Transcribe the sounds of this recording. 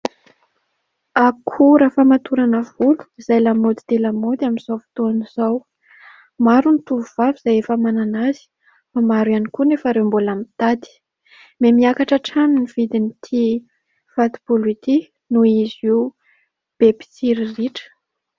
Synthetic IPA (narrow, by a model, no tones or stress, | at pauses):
akʰuɾafamat̪uɾanəvulu̥izajlamod̪i̥t̪elamod̪aminz̥awfi̥t̪oniz̥aw | maɾunit̪uvuv̥aviz̥ajefəmananaz̥i̥ | famaɾwanikunefəɾewmbolamit̪ad̪i̥ | memiakaʈ͡ʂəʈ͡ʂaniniv̥id̪init̪ʰi | fat̪i̥puluit̪i | nuiziw | b̥epi̥t͡siɾiriʈ͡ʂə̥